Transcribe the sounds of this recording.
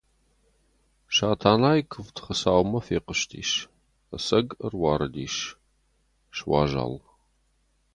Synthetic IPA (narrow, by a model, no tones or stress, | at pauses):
ʃaːtʰaːnaːjkʰɨvtχəsaːwmɐfeːqəʃtʰḭːʃ | ɐsɐɡərwɑːɾɨdiːʃ | ʃwɑ̰ːʒa̰ːl